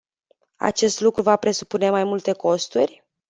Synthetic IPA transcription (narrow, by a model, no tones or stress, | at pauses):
a̰t͡ʃe̞st̪lukɾuvapɾe̞su̥pune̞majmult̪e̞ko̞st̪urʲ